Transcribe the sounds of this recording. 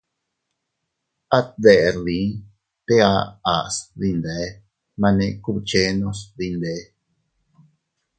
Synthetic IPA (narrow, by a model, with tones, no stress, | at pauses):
a˦ðe˨lĩ˨˦ | t̪e˦a˧˦a˨sði˧nd̪e˨˦ | mã˧nẽ˧ku˦˧t͡ʃe˦nõ˧sði˧nd̪e˨˦